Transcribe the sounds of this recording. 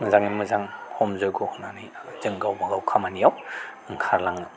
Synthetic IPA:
ŋɯzaŋimɯzaŋhɔmzɯjɡɔhɔnanizɯŋɡawbaɡawkʰamanijaw | ŋkʰaɾlaŋɯ

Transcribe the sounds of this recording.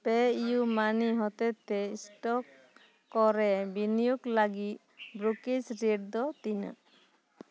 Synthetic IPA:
pɛijumaniɦɔt̪ɛt̪ːɛsʈɔkː | ɔɾɛbinijuɡləɡit̪̚ | bɾukisɾiʈ̚d̪ɔt̪inə̰

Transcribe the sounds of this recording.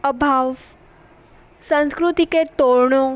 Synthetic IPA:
əbʱaːʋ | sə̃nskɾut̪iket̪oːɾɳõ

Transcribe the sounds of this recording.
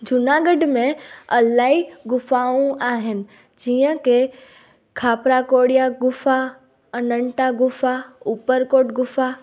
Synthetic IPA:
d͡ʒʊnaɡəɖmẽɐlaːiɡʊfaːũaːɦɪnɪ̆ | d͡ʒijə̃ke | kʰaːpɾakoːɽijaɡʊfa | ənəɳʈaɡʊfaupəɾkoːʈɡʊfʰa

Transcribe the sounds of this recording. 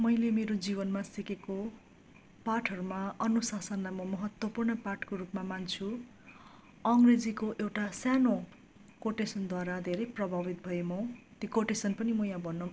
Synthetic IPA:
mʌjlemeɾod͡zibʌnmasikeko | paʈʰʌɾumaʌnusasʌnlamʌmʌɦʌt̪wʌpurnʌpaʈkorupmamant͡sʰu | ʌŋɡred͡zikoʔewʈasjano | koʈesʌnd̪waɾad̪ʱeɾʌjprʌbʱabit̪̚bʱʌemʌt̪ikoʈesʌnpʌnimʌjãbʱʌnːʌ

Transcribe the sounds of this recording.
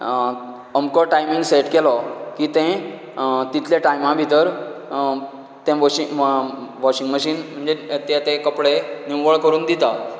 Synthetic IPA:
əmkɔʈajmĩŋɡseʈkɛlɔkiːt̪ɛ̃ | t̪it̪ʰljaʈajmãbʱit̪əɾ | t̪ɛ̃ʋɔɕi | ʋɔɕiŋɡməɕiːnm̤əɳd͡zet̪ɛt̪ẽkəpɽeniwʋəɭkəɾuːnd̪it̪a

